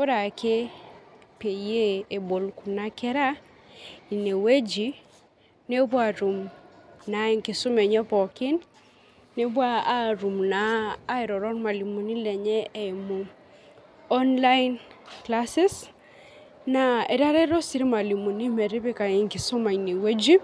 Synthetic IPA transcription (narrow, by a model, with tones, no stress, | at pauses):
o˦ɾa˨kʰe˦ | pe˨je˦e˨bo˨lku˨na˦kɛ˦ɾa˦ | i˨ne˨we˦d͡ʒi˨˦ | ne˦bwa˨ɾu˨mna˨˦e˦ŋkɪ˨sʊ˦mɛ˨ɲɛ˦pɔ˨kɪ˦n | ne˦βwa˦a˦ɾu˨mnaː˨˦e˨ɾɔ˨ɾɔ˦rma˨li˨mu˨ni˦lɛ˨ɲɛ˦ɛ˨mu˨ | ɔ˦nla˦jnkla˦sɪ˦s | na˨ɛ˨ɾa˦ɾɛ˦ɾɔ˦si˦ɾma˨li˨mu˨ni˦mɛ˨ɾɪ˦βe˦ka˨ɪ˨ŋkɪ˨sʊ˦ma˨i˨ne˨we˦d͡ʒi˦